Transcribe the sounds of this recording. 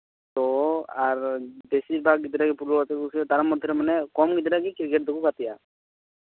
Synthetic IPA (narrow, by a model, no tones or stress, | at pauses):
t̪ɔaɾd̪esiɾbaɡɡid̪ɾaɡipulɔkat̪ikusɛd̪ʱaɾamːɔd̪ʱːɔɾɛmanɛkɔmɡid̪ɾaɡikiɾkɛʈ̚d̪ɔkukat̪ija